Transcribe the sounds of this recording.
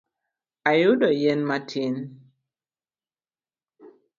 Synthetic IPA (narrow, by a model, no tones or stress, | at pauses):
ajʊdɔjɛnmatʰin